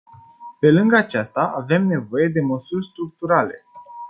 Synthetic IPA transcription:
pe̞lɨŋɡat͡ʃast̪aʔave̞mne̞vo̞je̞d̪e̞məsurʲst̪ɾuk̚t̪uɾale̞

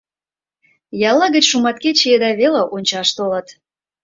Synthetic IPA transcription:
jɑlːɑɣə̆t͡ɕʃumɑt̪ket͡ɕeed̪ɑβeleʔonʲt͡ɕɑʃt̪olə̆t̪

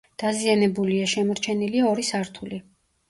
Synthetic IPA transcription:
d̪̥azianɛbuliaʃɛmɔɾt͡ʃʰɛniliaɔɾisaɾt̪ʰuli

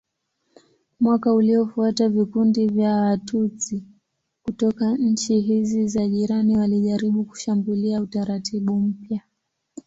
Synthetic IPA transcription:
mwakauliɔfuatavikundivjaːtuti | kutɔkaɲ̩t͡ʃiɦizizaʄiɾaniwaliʄaɾiɓuku̥ʃambuliautaɾatiɓum̩pja

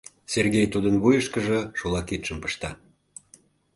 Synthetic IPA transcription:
serɣejt̪ud̪ənβujəʃkəʒəʃulˠɑkit̪ʃəmpə̥ʃt̪ɑ

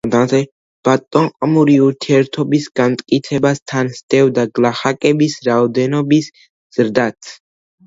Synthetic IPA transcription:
d̪ad̪ɛ | b̥at̪ʼɔɴqʼɔmuɾiuɾt̪ʰiɛɾt̪ʰɔbisɡamt̪ʼkʼit̪sʰɛbast̪ʰansd̪̥ɛvd̪aɡlaχakʼɛbisɾaɔd̪ɛnɔbis | z̥ɾd̪at̪ʰ

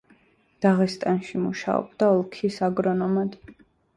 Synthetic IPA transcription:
d̪̥aʁɛst̪ʼanʃimuʃa̰ɔ̰bd̪aɔlˠkʰisaɡɾɔnɔmad̪̥

